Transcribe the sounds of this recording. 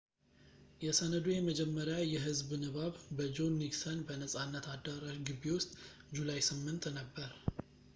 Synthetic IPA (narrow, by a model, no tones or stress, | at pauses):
jɛsənəd̪ujɛməd͡ʒɛmːəɾjajɛɦɨzbnɨβaβbəd͡ʒo̞nːiɡsənbənəsʼanːət̪ad̪əɾaʒɡɨbːewʊst̪ʼ | d͡ʒulajsɨmːɨnt̪nəbːəɾ